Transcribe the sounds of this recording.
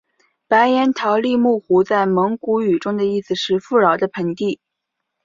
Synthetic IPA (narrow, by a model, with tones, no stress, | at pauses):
pa˧˥ɪjɛ˧˥nt̪ʰɑ˧˥ʊli˥˧mu˥˩xu˧˥t͡sa˥˩ɪmɤ˧˥ŋku˧˥y˨˩ʈ͡ʂʊ˥ŋd̪ə˨i˥˩s̩˩ʂɻ̩˥˧fu˥˩ɻɑ˧˥ʊd̪ə˧pʰə˧˥nt̪i˥˩